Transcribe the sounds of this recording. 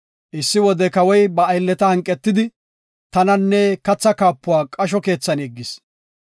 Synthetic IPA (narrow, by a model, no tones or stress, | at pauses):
ʔɪsːɪwɔd̪ɛkɐwɔjbɐːjlːɛt̪ɐhɐŋkʼːɛt̪ːɪd̪ɪ | t̪ɐnɐnːɛkɐt͡sːɐkaːpːʊwaːkʼɐʃ̬ɔke̞ːt͡sːɐnɛɡːɪs